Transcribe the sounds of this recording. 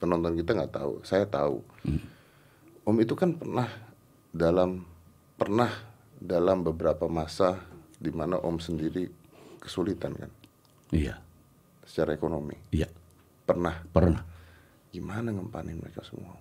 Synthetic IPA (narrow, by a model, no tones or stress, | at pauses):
pənɔnt̪ɔnkit̪aŋɡaʔt̪a̰ṵsajat̪aṵ | ʔɔmit̪ukanpərnah | dalam | pərnah | dalambəbəɾapamasadimanaʔɔmsəndiɾi | kə̥sulit̪anka̰n | ia̰ | sə̥t͡ʃaɾaekonomḭja | pərnahpərnah | ɡimanaŋəmpa̰nɪnməɾekasəmṵa